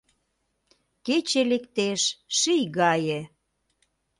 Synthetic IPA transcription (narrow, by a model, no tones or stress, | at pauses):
ket͡ɕelekt̪eʃʃijɣɑjĕ